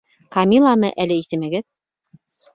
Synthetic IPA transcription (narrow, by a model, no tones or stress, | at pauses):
kɑmʲilˠɑmɤʔælɘisɘmæɡɘð